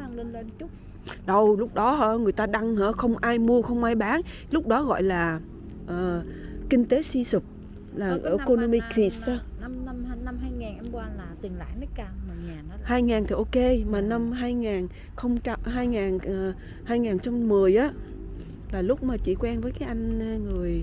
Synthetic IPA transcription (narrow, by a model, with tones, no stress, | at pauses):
a˧ŋle˧nle˧nt͡ɕʊ˦˥k͡p̚ | ɗə˨˩wlʊ˦˥k͡p̚ɗɔ˨˦ɦə̰ː˧˦ŋɨ˨˩əjt̪aː˧ɗa˧ŋhəː˧˥xə˧wŋ͡mʔaː˧jmu˧əxə˧wŋ͡mʔaː˧jɓaː˨˦n | lʊ˦˥k͡p̚ɗɔ˨˦ɣɔ̰˧˨jlaː˨˩ | ʔəː˨˩kï˧ŋ̟t̪e˨˦si˧sɨ˨˩k͡p̚ | laː˨˩ʔəː˧˩ko˧no˧mi˧ki˧˩sm˧m˧na˧mɦaː˧jŋaː˨˩nʔɛ˧mkwaː˧laː˨˩t̪i˨˩ŋla̰ː˧˩jnɔ˦˨˦kaː˧mo˨˩ŋaː˨˩n˨˦haː˧jŋaː˨˩nt̪ʰi˨˩ʔo˧ke˧maː˨˩na˧mɦaː˧jŋaː˨˩n | xə˧wŋ͡mɦaː˧jŋaː˨˩nː˨˩ | haː˧jŋaː˨˩nt͡ɕɔ˧wŋ͡mmɨ˨˩əjʔaː˨˦ | laː˨˩lʊ˦˥k͡p̚maː˨˩t͡ɕḭ˧˩kwɛ˧nvəː˨˦jkaː˨˦jʔa˧jŋ̟ː˧ŋɨ˨˩əj